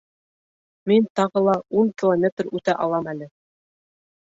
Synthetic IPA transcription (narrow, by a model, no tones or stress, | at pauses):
mint̪ɑʁɤlˠɑuŋkʲilˠomʲet̪rʉt̪æʔɑlˠɑmælɘ